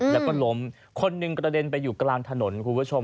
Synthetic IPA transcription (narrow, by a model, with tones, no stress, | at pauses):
lɛː˦˥wkɔ˥˩lo˦˥m | kʰo˧nːɯ˨˩ŋkɾa˧de˧npa˧jːuː˨˩klaː˧ŋt̪ʰa˧no˩˦nkʰuː˧pʰu˦˥t͡ɕʰo˧m